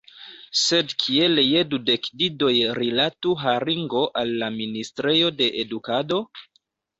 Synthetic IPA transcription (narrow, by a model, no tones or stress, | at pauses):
se̞dkʰieljedude̞kdido̞jɾilatuɦaɾiŋɡo̞ʔalːaministɾejo̞de̞ʔedukado̞